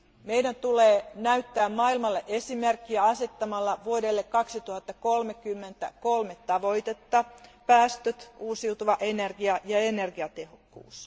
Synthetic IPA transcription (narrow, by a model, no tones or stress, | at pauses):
meidænt̪uleːnæyt̪ːæːmmɑːilmɑlːeʔesimerkːiæɑset̪ːɑmɑlːɑʋuodelːekkɑksit̪uhɑt̪ːɑkolmekymːent̪æ̰kolmet̪ːɑʋo̞jt̪et̪ːɑpæːst̪øt̪uːsiut̪uʋɑʔenerɡiɑjɑenerɡiɑt̪ehokːṵːs